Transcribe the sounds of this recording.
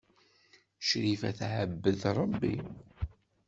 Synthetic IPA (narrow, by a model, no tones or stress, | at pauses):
ʃɾifæ̰θʕəbːəðɾˤəbːḭ